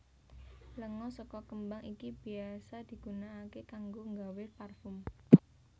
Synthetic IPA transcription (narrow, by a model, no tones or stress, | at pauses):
ləŋɔsɔkɔkəmbaŋikib̥i̤asad̪̥i̤ɡ̥unaːkekaŋɡoŋɡawɪparfʊm